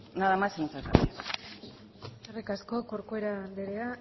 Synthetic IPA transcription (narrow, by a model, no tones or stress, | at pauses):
naðamasenut͡sata̰ti | erikasko̞koɾkoeɾand̪eɾea